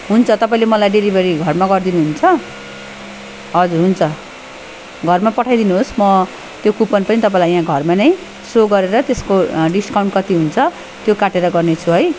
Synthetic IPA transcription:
ɦunt͡sʰʌt̪ʌpãĩlemʌlajɖelibʱʌɾiɡʱʌrmaɡʌrd̪inuɦunt͡sʰʌ | ɦʌd͡zurɦunt͡sʰʌ | ɡʱʌrmapʌʈʰajd̪inuɦosmʌ | t̪jokupʌnpʌnit̪ʌp̬ãĩlajɦãɡʱʌrmanʌj | soɡʌɾeɾʌt̪eskoɖiskawɳʈkʌt̪iɦunt͡sʰʌ | t̪jokaʈeɾʌɡʌrnet͡sʰuɦʌj

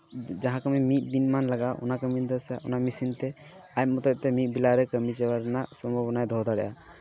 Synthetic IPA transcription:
d͡ʒaɦãkəmimit̪̚binmanlaɡaʔɔ̰nakəmind̪ɔsja̰ʔɔ̰namisint̪ɛ | ajmɔt̪ɔt̚t̪ɛmit̪̚ˀbilaɾɛkəmit͡ʃɛwaɾɛnasɔmbʱɔbɔnajd̪ʱɔd̪aɽɛjʔa

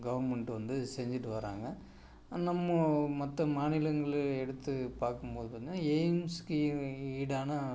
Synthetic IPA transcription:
ɡɐʋɐɾmɐɳʈɯʋɐnd̪ɯsɛɲd͡ʒɪʈːɯʋɐɾa̰ːŋɡɐ | nɐmːɐmɐt̪ːɐmaːnɪlɐŋɡɐɭɛɽɯt̪ːɯpaːɾkɯmpoːðɯpɐɲnaejmskɯiːɽaːnɐ

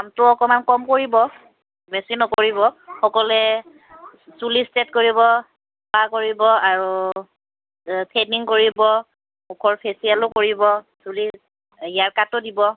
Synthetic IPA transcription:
amtʊɔkɔmankɔmkoɹibɔ | mɛsinɔkoɹibɔxɔkɔlɛ | sulistetkoɹibɔ | pakoɹibɔaɹu | pʰɛniŋkoɹibɔ | mukʰɔɹpʰesialʊkoɹibɔ | suli | ijaɹkatʊdibɔ

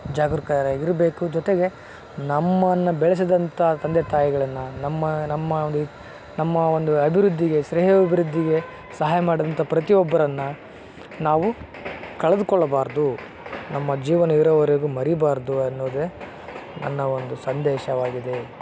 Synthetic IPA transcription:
d͡ʒaːɡuɾkaːɾɐiɾbeːkud͡ʒɔt̪eɡe̞ | nɐmːɐnːɐbɛɭɐs̬id̪ɐnt̪ʰɐɦɐt̪ɐnd̪ɛt̪aːjiɡɐɭɐnːɐnɐmːɐnɐmːɐnd̪u | nɐmːɐond̪uɐbʱiɾud̪ːiɡe̞ʃɾɛːɦɐbibʱiɾud̪ʱːiɡe̞ | sɐɦaːjɐmaːɽid̪ɐnt̪ɐpɾɐt̪iɔbːɐɾɐnːɐ | naːʋu | kɐɭɐd̪ukɔɭːɐbaːɾd̪u | nɐmːɐd͡ʒiːʋɐnɐiɾɐʋɐɾeɡumɐɾibaːɾd̪uɐnːoːd̪e | nɐ̰nːɐond̪usɐnd̪ɛːʃɐʋaːɡid̪e̞

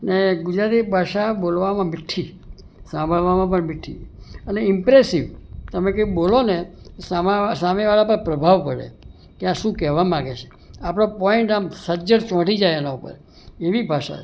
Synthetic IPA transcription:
neɡʊd͡ʒɾat̪ibʱaʃabolʋamãmɪʈʰːi | sãmbʱəɭʋamãpəɳmɪʈʰːḭəneɪmpɾesiʋt̪əmẽkebolonesamsameʋalapəɾpɾəbʱaʋpəɽḛ | keaʃũkɛʋamãɡet͡ʃʰe̥ | apɽ̃opɔɛɳʈamsəd͡ʒəɽt͡ʃɔ̃ʈid͡ʒajenaupə̰ɾ | eʋibʱaʃa̰

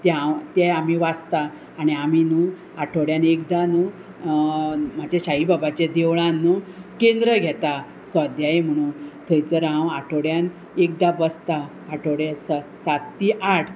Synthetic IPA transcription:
t̪ãt̪ɛamiʋast̪aː | ɽiaminu | aʈʰoɽjanek̚d̪anu | mad͡ʑaɕaɦibabat͡ɕed̪eʋɭãnːukend̪ɾəɡʱɛt̪a | sɔd̪ʱjajem̤əɽ̃ũːnt̪ʰəjt͡səɾãwaʈʰoɽjan | ek̚d̪abəst̪aː | ʈʰoɽjɛsasat̪ːiʔaʈʰ

